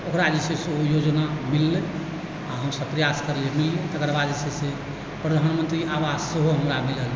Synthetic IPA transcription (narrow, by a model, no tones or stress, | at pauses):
okɾad͡ʒiseseojod͡ʒnamilːe | aɦəmsəb̚pɾəjaskəɾlemilːet̪əɡəɾbad͡ʒisese | pɾəd̪ʱanmənt̪ɾiʔaʋasseɦoɦəmɾamilɦəl